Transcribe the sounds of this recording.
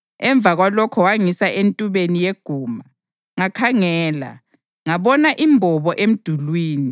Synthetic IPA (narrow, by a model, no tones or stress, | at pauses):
ɛɱb̪vʱaɣwalɔkʰɔwaŋisaʔentʼuβenijeɡ̥ʱuːma | ŋakʰaŋɛːla̰ | ŋaβɔnaʔimbʱɔβɔʔem̩d̥ʱulwiːni